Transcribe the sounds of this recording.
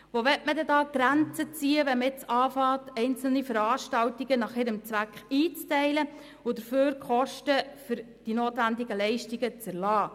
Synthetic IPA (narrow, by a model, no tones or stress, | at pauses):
ʋoʋɛtmədɛdɑːɡ̥ɾænt͡sət͡siːəʋɛməɪt͡sɑːfɑːtɛɪnt͡sl̩nifəɾɑːʃtɑwtiɡ̥ənɑχɪɾəmt͡sʋækχiːt͡stɛɪlə | ʊd̥əɾføːɾkχɔʃtəfʏɾ | d̥inoːtʋændɪɡəlɛɪʃtiɡət͡sæɾlɑː